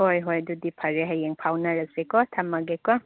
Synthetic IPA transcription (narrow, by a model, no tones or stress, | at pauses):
hojɦojdudipʰaɾeɦajeŋpʰawnaɾɐsekɔt̪ʰamɐɡekɔ